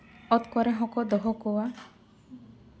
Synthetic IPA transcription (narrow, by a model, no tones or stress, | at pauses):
ɔt̪kɔɾeɦɔkɔd̪ɔɦɔkowa